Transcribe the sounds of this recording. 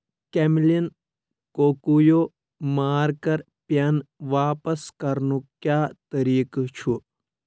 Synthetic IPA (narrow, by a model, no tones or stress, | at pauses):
kemlin | koːkujoː | maːɾkɐɾ | pjɐnʋaːpɐskɐɾnukjaːt̪ɐɾiːkt͡ʃʰu